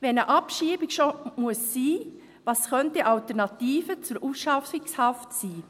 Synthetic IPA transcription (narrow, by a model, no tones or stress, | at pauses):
ʋɛnəʔɑpʃiːbɪkʃomuəsːiː | ʋɑːsχœntəʔɑltəɾnɑtiːfət͡sʊɾʔusʃɑfɪkshɑftsiː